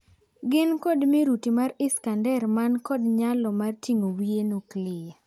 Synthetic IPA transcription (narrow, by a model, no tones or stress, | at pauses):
ɡɪnkɔdmiɾutimarɪskandɛrmankɔdɲalɔmartiŋowienuklɪja